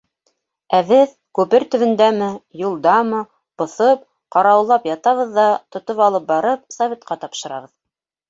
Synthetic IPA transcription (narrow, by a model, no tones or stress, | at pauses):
æβɘð | kʉpɘɾt̪ɵ̆βɘ̆nd̪æmɘjulˠd̪ɑmɤ | b̥ŏθɤp̚ | qɑɾɑwlˠɑpjɑt̪ɑβɤ̆ðːɑt̪ŏt̪opɑlˠɤp̚bɑɾɤp̚sɐvʲet̪̚qɑt̪ɑpʃɤ̆ɾɑ̰ʁɤð